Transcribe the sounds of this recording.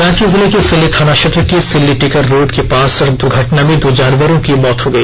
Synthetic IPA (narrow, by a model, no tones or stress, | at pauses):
ɾãːkizɪlekisɪlːikʰaːnaʃɐt̪ɾəkisɪlːiʈɪkəɾːoːɖkepaːsɐɾd̪ʊɾɡʱɐʈnamẽd̪oːd͡ʒaːnʋəɾõkimɔːt̪ɦoɡɐiː